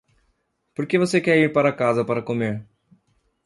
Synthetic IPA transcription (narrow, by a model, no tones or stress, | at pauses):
pʊɽkeːʋəseːkeːiːɳpəɾaːkaːzaːpəɾakomeːɳ